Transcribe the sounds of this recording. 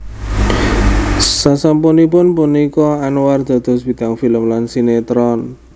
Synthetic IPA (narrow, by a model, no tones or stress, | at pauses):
sasampunipʊnpunikɔanward̪̥a̤d̪̥ɔ̤sb̥i̤d̪̥a̤ŋfiləmlansinet̪ɾɔn